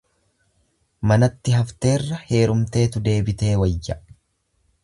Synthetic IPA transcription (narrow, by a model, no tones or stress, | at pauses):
mɐnɐt̪ːɪɦɐft̪e̞ːrːɐhe̞ːɾʊmt̪e̞ːt̪ʊd̪e̞ːbɪt̪e̞ːwɐjːɐ